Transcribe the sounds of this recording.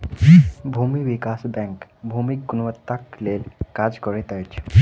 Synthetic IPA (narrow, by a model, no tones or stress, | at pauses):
bʱumiʋikasbɛ̃ŋkbʱumik̚ɡunʋət̪ːaklelkad͡ʒkɔɾet̪ajt͡ʃʰ